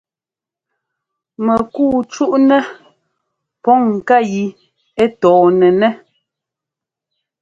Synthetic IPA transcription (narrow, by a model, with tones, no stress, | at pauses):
mɛ˨ku˦˨t͡ʃu˦ʔnɛ˦ | pɔ˦ŋ̩˨ka˦˨ji˨ | ɛ˦tɔː˨nɛ˨nɛ˦